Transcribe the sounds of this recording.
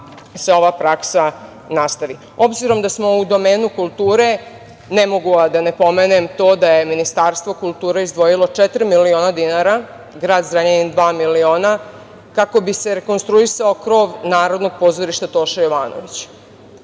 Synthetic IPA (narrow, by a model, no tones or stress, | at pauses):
se̞o̞ʋapɾaksa | nast̪aʋi | o̞bziɾo̞md̪asmo̞ud̪o̞me̞ːnukulˠt̪uːɾe̞ | nemo̞ɡuad̪anepo̞menemt̪o̞ːd̪aje̞minist̪aːɾst̪ʋo̞kulˠt̪uːɾeizd̪ʋo̞jilˠot͡ʃet̪ɾimilio̞ːnad̪inaɾa | ɡɾaːd̪zɾaɲenid̪ʋaːmilio̞ːna | kako̞bise̞ɾe̞ko̞nst̪ɾuisaokɾo̞ːʋnaːɾo̞d̪no̞ɡ̚po̞ːzoɾiʃt̪at̪o̞ːʃajo̞ʋaːno̰ʋit͡ɕ